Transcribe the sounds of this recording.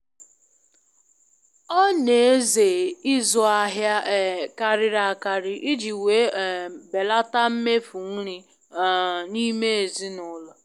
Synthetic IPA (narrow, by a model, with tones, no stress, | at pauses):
ɔ˦ne˨e˦ze˨ɪ˦zɔ˨a˦ɦja˦˨ka˨ɾɪ˨ɾa˦˨ka˨ɾɪ˨ʔi˦d͡ʒi˨we˨˦˨be˨la˦ta˦m̩˦me˦fu˨ŋ̩˦ɾi˦˨ | ni˦me˦e˨zi˦nʊ˦lɔ˨